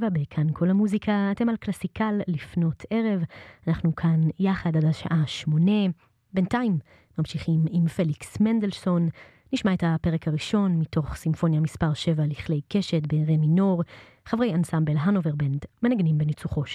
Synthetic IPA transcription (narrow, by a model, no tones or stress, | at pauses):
vabekʰankʰo̞lhamuzikʰaːte̞malklasikalːifno̞tʰe̞ʁe̞vanaχnukʰanjaχadadaʃa̰ʔaʃmo̞ne̞ | be̞ntaimː | amʃiχimimfe̞liksmend̪elso̞nː | iʃmaethape̞ʁekaʁiʃo̞nmitʰo̞χsimfo̞njamispaʁʃe̞valiχle̞jke̞ʃetbeʁemino̞ʁ | χavʁe̞jansambe̞lɦanoveʁbendmenaɡnimbenit͡suχo̞ʃ